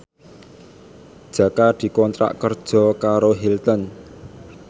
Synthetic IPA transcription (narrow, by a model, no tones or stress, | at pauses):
d̥ʒ̥ä̤kad̪̥i̤kɔnt̪ɾa̰ʔkərd̥ʒ̥ɔ̤kaɾoɦilt̪ən